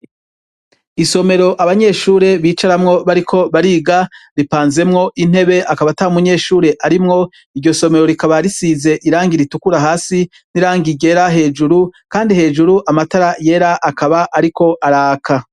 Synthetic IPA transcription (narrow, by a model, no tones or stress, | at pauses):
iso̞me̞ɾo̞ʔaβaɲe̞ːʃuːɾe̞βiːt͡ʃaɾamŋo̞βaɾikʰo̞βaɾiːɡaɾipaːnze̞mŋo̞ʔin̥e̞βe̞ʔakaβataumuɲe̞ːʃuːɾe̞ʔaɾimŋo̞ | iɾɟo̞so̞me̞ɾo̞ɾikaβaɾisiːze̞ʔiɾaːŋɡiɾitukuɾaɦaːsi | n̥iɾaːŋɡiɟe̞ɾaɦe̞ːd͡ʒuɾukaːndihe̞ːd͡ʒuɾuʔamataɾaje̞ːɾaʔːkaβaʔaɾiko̞ʔaɾaːkʰa